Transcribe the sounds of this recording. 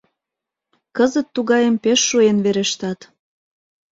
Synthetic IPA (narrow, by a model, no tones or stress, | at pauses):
kəzət̪ːuɣɑjəmpeʃːuenβeɾeʃt̪ɑt̪